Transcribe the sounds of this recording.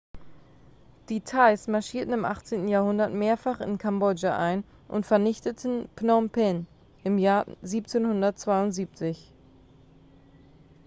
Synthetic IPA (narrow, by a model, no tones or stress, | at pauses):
d̥itʰaɪsmaɐʃiːɐtn̩ɪmʔaχt͡seːntn̩jaːɐhʊndɐtmeːɐfaχɪ̰nkʰambɔd͡ʒaʔaɪn | ʔʊ̰ntfɛɐnɪçtətʰn̩pnɔmpʰɛn | ʔɪmjaːɐziːp̚t͡seːnhʊndɐtt͡sv̥aɪʊntz̥iːp̚t͡sɪç